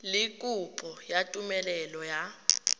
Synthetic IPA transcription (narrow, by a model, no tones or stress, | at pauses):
likʼupʼʰɔjatʼumɛlɛlɔja